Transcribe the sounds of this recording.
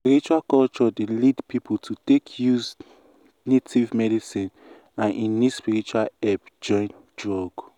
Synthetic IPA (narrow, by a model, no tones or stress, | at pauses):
spiɹit͡ʃualkɔlt͡ʃɔdelidpipʰultʰutekʰjuz | netʰivmɛdisĩn | ãnʔĩnispiɹit͡ʃualɛpd͡ʒɔ̃j̃nt | dɹɔɡ